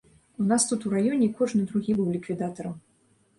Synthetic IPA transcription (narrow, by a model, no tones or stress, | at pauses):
un̪ast̪ut̪uɾajɔnʲɛikɔʐnɨd̪ɾuɣʲibɨwlʲikvʲid̪at̪ɐɾɐm